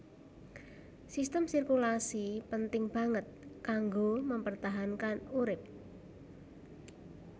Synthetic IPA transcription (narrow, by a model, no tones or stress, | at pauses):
sist̪əmsirkulasipənt̪ɪŋb̥ä̤ŋət̪̚kaŋɡoməmpərt̪aɦankanuɾɪp̚